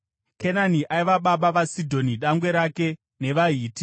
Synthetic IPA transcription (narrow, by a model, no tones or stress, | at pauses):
kenaniʔaiʋaɓaɓaʋasidʱo̞niɗaŋɡwe̞ɾake̞ | ne̞ʋaɦiːti